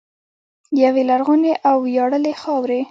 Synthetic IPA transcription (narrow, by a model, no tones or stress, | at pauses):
jawelaɾɣuneʔawjɑɽəlexɑwɾe